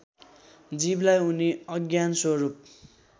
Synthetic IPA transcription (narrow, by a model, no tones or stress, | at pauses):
d͡ziblajuniʌɡjanswʌɾup̚